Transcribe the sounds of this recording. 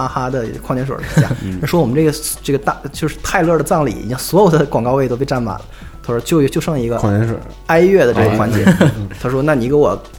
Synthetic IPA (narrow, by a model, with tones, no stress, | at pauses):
a˥xa˥d̪ə˨kʰɑ˥˩ŋnjɛ˧˥nʂwə̰˨˩˥ja˥˩˥ʂwɔ˥wɔ˨mə˦nʈ͡ʂɤ˥˩ɡə˩ʈ͡ʂɤ˥˩ɡə˩t̪a˥˧t͡ɕjo˥˧ʊʂɻ̩˥˧t̪ʰa˥˧ɪlɤ˥˩də˩t͡sɑ˥˩ŋlḭ˨˩ḭ˨˩t͡ɕi˥ŋswɔ˧˥jo˨˩ʊd̪ə˦kwɑ˨˩ŋkɑ˥˧ʊwe˥˩ɪto˥ʊpe˥˧ɪʈ͡ʂa˥˩nma̰˨˩˦nlə˦ | t̪ʰa˥ʂɔ˥t͡ɕjo˥˧ʊ˧t͡ɕjo˥˧ʊʂɤ˥˩ŋli˧˥ɡə˧˥˧ɛ˧˥ʂ | a˥ɪɥɛ˥˩d̪ə˩ʈ͡ʂɤ˥˩ə˨˩xwa˧˥nt͡ɕjɛ̰˧˥t̪ʰa˥ʂwɔ˥na˥˩ni˧˥ke˧˥wɔ˨˩˦